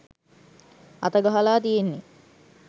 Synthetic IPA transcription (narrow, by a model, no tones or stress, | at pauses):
a̰t̪əɡaɦəlaːt̪ijenːe